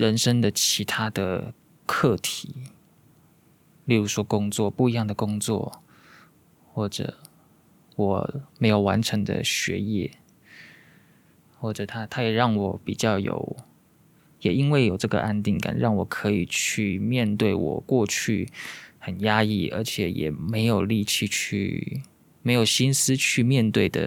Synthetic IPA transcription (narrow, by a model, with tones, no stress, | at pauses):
ɻə˧˦nʂə˥ŋd̪ə˨t͡ɕʰi˧˥t̪ʰa˥d̪ə˨ | kʰɤ˥˩t̪ʰi˨˩˦ | li˥˩ɻu˧˥ʂwɔ˥kʊ˥ŋt͡swɔ˥˨˩pu˥˩i˧˥jɑ˥˩ŋd̪ə˩kʊ˥ŋt͡swɔ̰˥˨ | xwɔ˥˩ʈ͡ʂə̰˨˩˦ | wɔ˨˩˦me˧˥ɪjo˨˩ʊwa˧˦nʈ͡ʂʰə˧˥ŋd̪ə̰˧ɕɥɛ̰˧˥jɛ̰˥˩ | xwɔ˥˩ʈ͡ʂɤ˨˩t̪ʰa˦˥t̪ʰa˦˥jɛ˨˩ɻɑ˥˩ŋwɔ˨˩pi˨˩t͡ɕjɑ˥˩ʊjo̰˨˩˦ʊ | jɛ˨˩i˦nwe˥˩ɪjo˨˩ʊʈ͡ʂɤ˥˩ɡə̰˨˩ʔa˥nt̪̬i˥˩ŋka̰˨˩nɻɑ˥˩ŋwɔ˨˩kʰɤ˧˥i˨˩t͡ɕʰy˥˧mjɛ˥˧nt̪we˥˩ɪwɔ̰˨˩kwɔ˥˧t͡ɕʰy˥˩xə˨˩nja˦˥i˥˩ʔə̰˞˧˥t͡ɕʰjɛ˨˩jɛ̰˨˩me˧˥ɪjo˨˩ʊli˥˧t͡ɕʰi˥˧t͡ɕʰy̰˥˧ | me˧˥ɪjo˨˩ʊɕi˥ns̩˥˦t͡ɕʰy˥˧mjɛ˥˧nt̪we˥˩ɪd̪ə̰˩